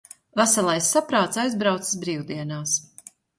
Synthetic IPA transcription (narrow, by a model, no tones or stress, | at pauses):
væsalˠajsːapɾaːt̪sajzbɾawt̪sɨ̥sbɾiːwd̪iɛnaːs